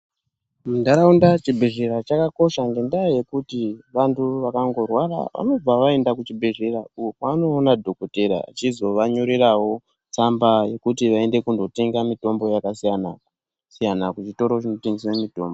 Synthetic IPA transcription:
mundaɾaundat͡ʃibʱeʐeɾat͡ʃakako̞ʃaŋɡe̞ndajoje̞kutiʋantʰuʋakaŋɡo̞rwaɾa̰ʋa̰no̞b͡vaʋae̞ndakut͡ʃibʱeʐeɾaukanoːnadʱo̞koteɾa̰a̰t͡ʃizo̞ʋaɲuɾirawo̞ | t͡sambaje̞kutiʋae̞nde̞kundo̞teŋɡamito̞mbo̞jakasijana̰ | sijanakut͡ʃito̞ɾot͡ʃino̞teŋɡiswemito̞ːmbo

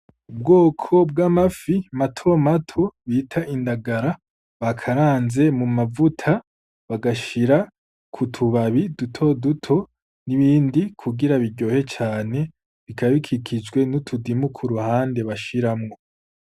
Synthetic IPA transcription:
ub̚ɡo̞ːkʰo̞bɡamafimatʰo̞matʰoβitʰaʔindaɡaɾa | βakʰaɾaːnze̞mumavutʰa | βaɡaʃiɾa | kʰutʰuβaβidutʰo̞dutʰo̞ | niβiːndikʰuɡiɾaβiɾɟo̞ːhe̞t͡ʃaːne̞ | βikaβikʰikʰid͡ʒɡwe̞nutʰudimukʰuɾuhaːnde̞βaʃiɾamŋo̞

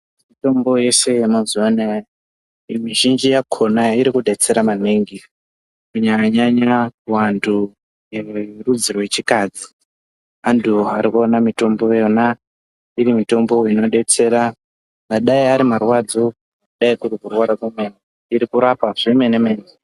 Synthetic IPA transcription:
mito̞mbo̞je̞se̞jemazuana | imiʒind͡ʒijakʰo̞naiɾikuɗe̞t͡se̞ɾamaneŋɡi | kuɲakaɲaɲakuwantʰu | jerud͡zirwe̞t͡ʃikad͡zi | andʰuaɾikuonamito̞mbo̞jona | iɾimito̞mbo̞ino̞ɗe̞t͡se̞ɾa | ŋaɗaiaɾimarwad͡zo | uɗaikuɾikurwaɾakumene | iɾikuɾapaʐimenemeːn

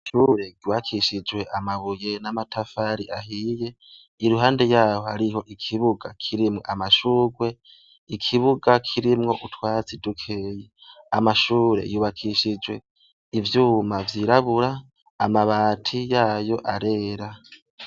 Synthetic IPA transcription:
ʃuːɾeɡuːβakʰiʃid͡ʒwe̞ʔamaβujenamatʰafaɾiʔahije̞ | iɾuɦaːnde̞jaːho̞haɾiho̞ʔikʰiβuɡakʰiɾimŋo̰ʔamaʃuːɡwe̞ | ikʰiβuɡakʰiɾimŋo̞ʔutwaːt͡sidukʰejeamaʃuːɾe̞̰juːβakʰiʃid͡ʒwe̞ | ivjuːmavjiɾaβuɾaː | maβaːtʰijaːjo̞ʔaɾe̞ːɾa

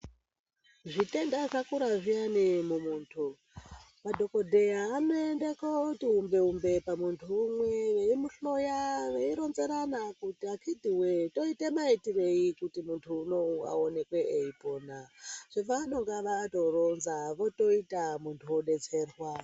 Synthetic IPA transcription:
ʐite̞ndaʐakuɾaʐianimumuːntʰu | madʱo̞ko̞dʱe̞jaːnoendekoutiɦumbe̞umbe̞pamuntʰuːmwe̞ʋeimuɬo̞jaʋeiɾo̞nzeɾanakutiakʰidʱiweto̞ite̞maitire̞ikutimuntʰuːno̞a̰one̞kweʔeipo̞ːnaʐ̥eʋanoŋɡaʋato̞ro̞nzaʋo̞to̞itamuntʰuoɗe̞t͡se̞ːrwa

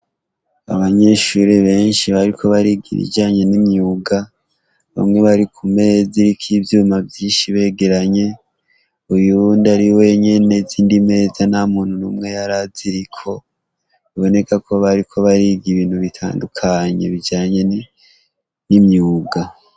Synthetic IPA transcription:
a̰βaɲe̞ʃuɾeβe̞ːnʃiβaɾikʰo̞βaɾiɡḭβḭd͡ʒaːɲe̞nimɲuːɡa | βa̰mŋe̞βaɾikʰume̞ːziɾikʰivjuːmavjiːnʃiβe̞ːɡe̞ɾaɲe̞ | ujundaɾiwe̞ɲe̞ne̞ziːndime̞ːzanamuːn̥hunuːmŋe̞jaɾaziɾikʰo̞ | βo̞ne̞kʰakʰo̞βaɾikʰo̞βaɾiɡiβiːn̥huβitʰa̰ːndukʰaɲḛβid͡ʒaːɲe̞n | nimɲuːɡa

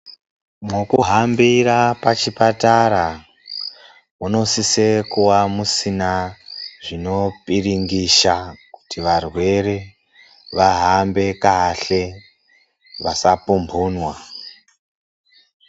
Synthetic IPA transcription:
mokuɦambiɾapat͡ʃipataɾa | uno̞sisekuwamusinaʐino̞piriŋɡiʃaku̥tiʋarwe̞re | ʋaɦambe̞kaɬe̞ | ʋasapumbʱuːnwa

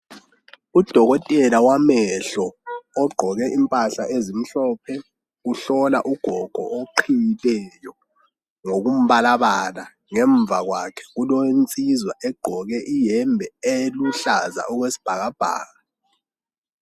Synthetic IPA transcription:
ud̥ʱɔɣɔtʼɛlawamɛɬɔːɡ͡ǃʱɔɣɛʔimpʼaɬaʔezim̩ɬɔːp̚ʰɛ | uɬɔla̰ʔuɡ̥ʱɔɡ̥ʱɔ̰ʔoǃʰijilɛjɔ | ŋoɣum̩βalaβala | ŋɛɱvʱaɣwakʰɛ̥ɣulont͡sʼizwaʔɛɡ͡ǃ̥ʱɔɣɛʔijɛmbʱɛeluɬaza̰ʔɔɣwesi̥b̥ʱaɣab̥ʱa̰ːɣa

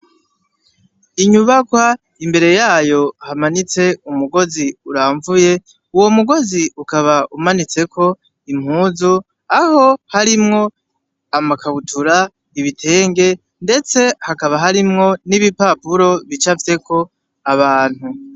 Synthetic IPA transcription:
iɲuβakwa | imbe̞ɾe̞jaːjo̞hamanit͡se̞umuɡo̞ziuɾaːɱvuje̞ | uwo̞muɡo̞ziʔukaβaʔumanit͡se̞kʰo̞ | im̥huːzu | aho̞haɾimŋo̞ | amakʰaβutʰuɾa | iβitʰe̞ːŋɡe̞ | nde̞t͡se̞hakaβaɦaɾimŋo̞niβipapuɾo̞βit͡ʃafite̞kʰo̞ | aβaːn̥hu

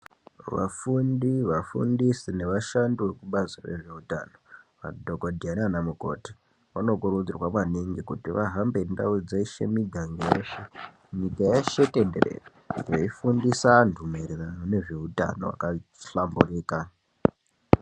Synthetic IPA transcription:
ʋa̰fundiʋafṵndisine̞ʋaʃanduʋekuɓazire̞̰ʐe̞uta̰no̞ʋa̰dʱo̞kodʱiananamuko̞̰ti̥ | ʋano̞kuɾud͡zirwamaniŋɡikutiʋaɦambe̞ndaud͡zeiʃḛmiɡʱaŋɡejeʃe | ɲikajaʃe̞tederḛ | eifundisandʱumeɾeranone̞ʐe̞uta̰no̞̰wa̰kaɬamburiːka

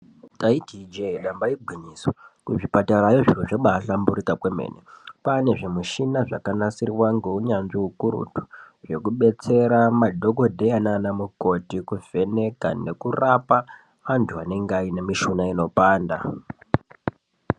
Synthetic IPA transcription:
taidʱid͡ʒeɗambaiɡʱwiniswakuʐipataɾajoʐiruʐeɓaɬambuɾikakwemḛnḛpane̞ʐe̞muʃinaʐakanasiriwaŋɡe̞uɲanʐiukuɾṵtu̥ | ʐe̞kuɓe̞t͡se̞ɾamadʱo̞ko̞dʱeananamuko̞tikuvʱe̞ne̞ka̰ne̞kurapa | ʋantʰuane̞ŋɡaine̞miʃunaino̞paːnda

